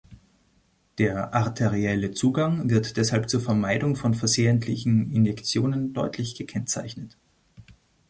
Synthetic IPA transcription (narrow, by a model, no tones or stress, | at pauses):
d̥eːɐʔaʁtʰeʁiɛlət͡suːɡaŋvɪɐtd̥ɛshalp̚t͡suːɐfɛɐmaɪdʊŋfɔnfɛɐzeːəntʰlɪçn̩ɪnjɛkt͡sjoːnəndɔʏtʰlɪçɡ̥əkʰɛnt͡sa̰ɪçnət